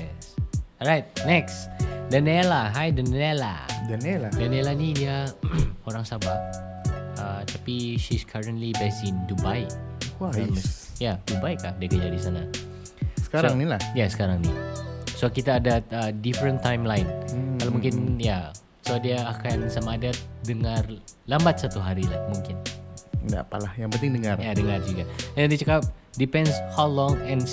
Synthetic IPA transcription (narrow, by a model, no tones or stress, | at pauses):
sɔɹajt̪̚nɛksdənɛlaɦajdənɛla̰dənɛladənɛlanidia | oɾaŋsaba | ət̪apiʃiskʰaɹəntlibɛsɪndubajaams | jadubajkap̚diakəd͡ʒadisana | sə̥kaɾaŋnilahjasə̥kaɾaŋnisoakit̪aːdaədifɾənt̪ajmlajnkalamuŋkɪnja | soadiaːkansamaːdadəŋarlambat̪̚sat̪uɦaɾilahmuŋkɪnda̰pa̰lahjaŋpənt̪ɪŋdəŋarjadəŋard͡ʒuɡaaadit͡ʃəkap̚dipɛ̃ndshawlɔŋɛn